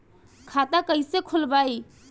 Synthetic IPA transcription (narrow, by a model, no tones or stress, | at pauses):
kʰat̪akəisekʰʊlbaːi